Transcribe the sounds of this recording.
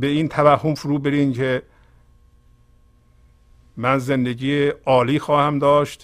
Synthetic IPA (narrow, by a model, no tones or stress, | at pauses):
be̞iːnt̪ʰævæhːomfuɾuːbeɾiːmkʰe | mænzend̪eɟiːeɒːliːxɒːhæmd̪ɒːʃt̪